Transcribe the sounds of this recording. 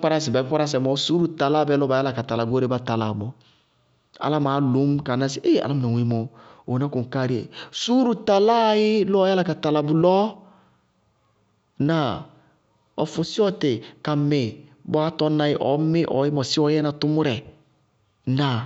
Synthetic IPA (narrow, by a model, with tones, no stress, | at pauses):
k͡pa˦ɾa˦s̬ɪ˨ba˨˦k͡pa˦ɾa˦s̬ɛ˨mɔ˨su˦ɾu˨ta˨la˦˨bɛ˦lɔ˦ba˨˦ja˦la˨ka˨ta˨la˨ɡo˦ɾe˦ba˦ta˨la˨bɔ˨ | a̰˨la˦maː˨˦lu˨˦m˦ka˨na˦si˨˦ʔe˦a̰˨la˦m˨na˨wi˦mɔ˨ | o˨na˦ku˨ŋ̩˨ka˦ɾi˦ḛ˨su˦ɾu˨ta˨la˦jɪ˦lɔ˦ja˦la˦˨ka˨ta˨la˨bʊ˨lɔ˦ | na˨ | ɔ˨fʊ˨sɪ˦ɔ˦tɪ˨ka˨me˨ | bɔ˨˦a˦tɔ˦na˧jɪ˦ʔɔ̰˨˦mɪ˦ʔɔ̰˨˦jɪ˦mɔ˨sɪ˦ɔ˦jɛ˦na˨tʊ˦mʊ˦ɾɛ˨ | na˨